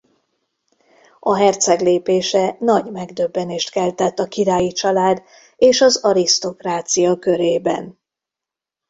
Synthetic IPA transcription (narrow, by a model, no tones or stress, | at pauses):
ɒɦɛrt̪sɛɡleːpeːʃɛnɒɟmɛɡd̪øbːɛneːʃt̪kɛlt̪ɛt̪ːɒkiɾaːjit͡ʃɒlaːd̪ | eːʃɒzɒɾist̪o̞kraːt̪sijɒkø̞ɾeːbɛ̰n